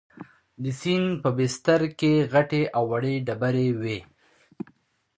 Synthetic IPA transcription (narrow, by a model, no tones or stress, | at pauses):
d̪əsinpəbɪst̪aɾkeɣaʈeʔawːaɽeɖabaɾewe